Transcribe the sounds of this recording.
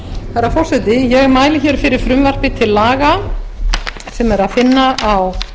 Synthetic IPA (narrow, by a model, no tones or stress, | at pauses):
θɛɾːafɔr̥sɛt̪ɪjɛɣɛmaːjlɪçɛɾ̥fɪɾɪɾ̥fɾʏmvar̥pɪt̪ʰɪlːaːɣa | sɛmɛɾaðfɪnːaʔaw